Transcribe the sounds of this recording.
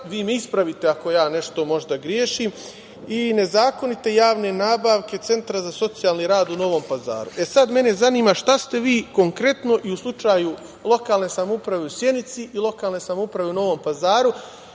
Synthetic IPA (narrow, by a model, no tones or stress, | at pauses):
ʋiːmeispɾaʋit̪e̞ako̞jaːne̞ʃt̪o̞mo̞ʒd̪aɡɾjeːʃiːm | ine̞zaːko̞nit̪e̞jaːʋne̞naːbaːʋke̞t̪se̞nt̪ɾazaso̞t̪sijaːlˠniɾaːd̪uno̞ʋo̞ːmpaza̰ːɾṵʔe̞sad̪me̞ne̞zaniːmaʃt̪ast̪e̞ʋiːko̞ŋkɾe̞t̪no̞ʔiuslˠut͡ʃaːju | lˠo̞kaːlˠne̞samoupɾaʋe̞usje̞nit̪siʔilˠo̞kaːlˠne̞samoupɾaʋe̞uno̞ʋo̞ːmpazaːɾu